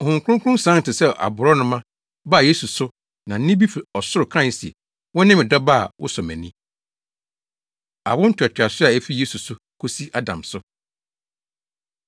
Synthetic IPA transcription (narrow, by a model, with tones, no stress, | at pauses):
hʊ̃˨ŋkʰʷʊ˦ʊ̃˦ŋ˦kʰʊ̃˦sã˦n˨tʰɪ˨sɛ˦ʔa̰˨bʊ˨ɾɔ˦nʊ̃˦mã˦ | ba˦˨je˦su˨sʊ˦ | nã˨n̩˦nɪ̃˦bi˦fi˨ɔ˨sʊ˦ɾʊ˨kʰɾã˦˨sḛ˨ | wɔ̃˦nɪ̃˦mɪ̃˨dɔ˦ba˦˨wʔʊ̰˦sɔ˨mɛ̰̃˨nĩ˦ | a̰˨wʊ̃˦n̩˦tʰᶣɛ˨tʰᶣa˨sʊ˦a˨æ˦fi˦je˦su˨sʊ˦ | kʰo˦si˦ʔa˦dã˨msʊ˦